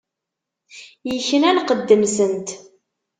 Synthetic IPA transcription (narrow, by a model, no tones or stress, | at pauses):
jəçːənælqəd̪ːəmsənt̪